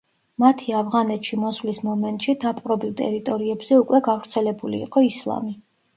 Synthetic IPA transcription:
mat̪ʰiavʁanɛt̪ʼʃimɔsvlismɔmɛnt̪ʼʃid̪apʼɾɔbilˠt̪ʼɛ̰ɾit̪ʼɔɾiɛbz̥ɛukʼwɛɡavɾt̪sʰɛlɛbulḭːqʼɔislˠa̰mi

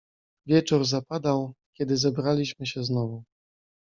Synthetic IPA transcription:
vʲjɛt͡ʂuɾzapad̪awkʲɛd̪ɘzɛbɾalʲiɕmɘɕɛznɔvu

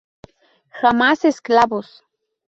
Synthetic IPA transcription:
xamasesklabos

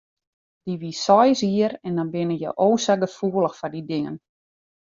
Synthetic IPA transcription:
d̥iʋisɔjsiərɛndɔnbɪnəjə̰ʔoːsaɡəfuəlˠəxfɔdidɪŋə̰n

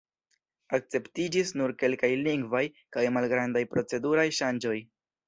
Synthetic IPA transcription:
ak̚t͡se̞ptid͡ʒisnuɾke̞lkajliŋɡvaj | kajmalɡɾandajpɾo̞t͡se̞duɾajʃand͡ʒo̞j

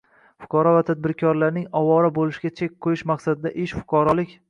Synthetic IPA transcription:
fʊ̥qʰɑɾɒvat̪ʰad̪̚bɪɾkʲʰɒɾlaɾnɪŋɒwɒɾabolɪʃɪɡʲat͡ʃʰekʲqʰojɪʃmaqsad̪ɪd̪aʔɪʃfʊ̥qʰɑɾɒlˠɪkʲ

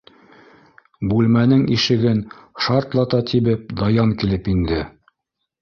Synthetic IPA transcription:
bʉlmænɘŋiʃɘ̆ɡɘnʃɑɾt̪lˠɑt̪ɑt̪iβɘp̚d̪ɑjɑŋkilɘpind̪ɘ

